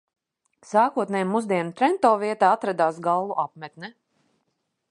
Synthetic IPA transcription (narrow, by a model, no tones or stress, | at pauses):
saːkuɔt̪nɛjmːuzd̪iɛnt̪ɾɛnt̪ɔːviɛt̪aːat̪ɾad̪aːsɡalˠvuʔapmɛt̪nɛ